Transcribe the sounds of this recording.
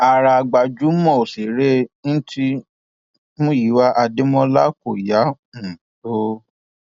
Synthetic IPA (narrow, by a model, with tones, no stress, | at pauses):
a˨ɾa˧˨ɡ͡ba˨d͡ʒu˨˦mɔ̃˦˨o˨se˨ɾe˦ñ̩˦ti˦ | mũ˦ji˨˦wa˦ʔa˧de˦mɔ̃˧la˦ko˨ja˨˦ | ũ˨to˦